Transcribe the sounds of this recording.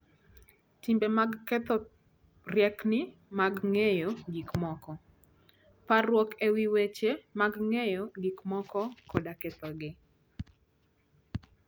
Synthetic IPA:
timbemaɡkɛt̪ɔ | rjɛknɪmaɡŋejoɡikmɔkɔ | parwɔkewiwet͡ʃemaɡŋejɔɡikmɔkɔkɔdaket̪ɔɡɪ

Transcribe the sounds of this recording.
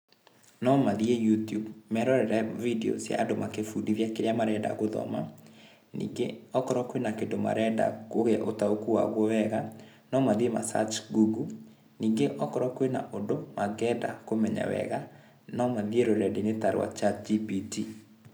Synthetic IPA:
nɔmaðiejutjubmɛɾɔɾɛɾɛvideɔ̰sja̰ːdomakefudivjakeɾejamaɾɛda̰ɣoðɔ̰ma | nḭɡeɔkɔɾɔkwenakendoma̰ɾɛda̰koɣɛʔotaokuwa̰ɣwɔwɛɣa | nɔmaðiema̰sa̰t͡ʃɡuɡu | niːŋɡeʔɔkɔɾɔkwena̰ʔondomaɣɛda̰komɛɲa̰wɛ̰ɣa | nɔmaðieɾoɾɛdenetaɾwa̰t͡ʃad͡ʒipiti

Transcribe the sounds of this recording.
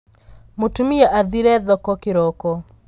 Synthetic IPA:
motumijɔʔaðiɾɛðɔkɔkɪɾɔkɔ

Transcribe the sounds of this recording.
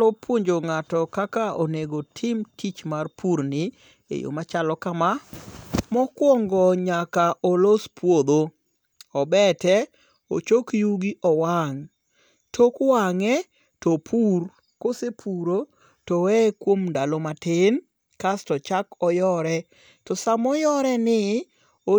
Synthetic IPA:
ɔpʰwoɲd͡ʒoŋatɔkakaoneɡotʰɪmtʰit͡ʃmarpʰuɾnɪ | ḛjo̰mat͡ʃalɔkama | mɔkwɔŋɡɔɲakaʔolospwod̪o | ɔbɛtɛ | o̰t͡ʃokjuɡiʔɔwaŋ | tʰokwaŋɛ | topʰur | kosepʰuɾo | tɔwɛkwomndalomatɪn | kastɔt͡ʃakɔjɔɾɛ | tɔsamɔjɔɾɛnɪ | o

